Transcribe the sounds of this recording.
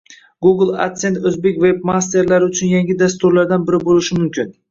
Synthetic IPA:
ɡuɡlˠa̰kt̪se̞nt̪ɵzbe̞kʲvebmast̪e̞ɾlaɾɪʊt͡ʃʰʊnjaŋɡʲɪd̪ast̪ʊɾlaɾd̪anbɪɾɪbolɪʃɪmʊmkʲʰɪn

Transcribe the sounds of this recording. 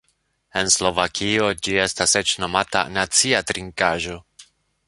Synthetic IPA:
enslo̞vakʰiod͡ʒiest̪aset͡ʃno̞mat̪a̰nat͡siat̪ɾiŋkaːʒo

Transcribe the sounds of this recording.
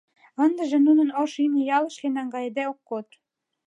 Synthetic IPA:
ɤ̆nd̪ə̆ʒĕnunə̆noʃinejɑlɤ̆ʃlenɑŋɡɑjed̪eokːot̪

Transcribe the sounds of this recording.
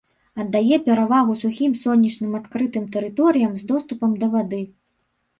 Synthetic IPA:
ɐd̪ːajɛpʲɛɾavaɣusuxʲimsɔnʲːit͡ʂnɨmat̪kɾɨt̪ɨmt̪ɛɾɨt̪ɔɾɨjɐmzd̪ɔst̪upɐmd̪ɐvad̪ɨ

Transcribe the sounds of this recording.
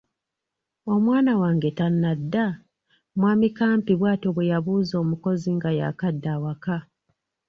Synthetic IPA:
o̞mwaːnawaːŋɡe̞tanːadːa | mwaːmikaːmpiβwaːto̞βwejaβuːzo̞ːmuko̞ziŋɡaja̰kadːaːwaka

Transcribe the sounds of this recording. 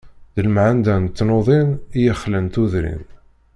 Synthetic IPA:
ðəlmʕand̪ænt̪ːnoðˤinijəχlənt̪uðɾḭn

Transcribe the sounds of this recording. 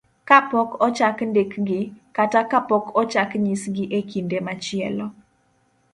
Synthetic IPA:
kapɔkɔt͡ʃakndekɡɪkatakapɔkʰɔt͡ʃakɲisɡɪʔekindemat͡ʃɪɛlɔ

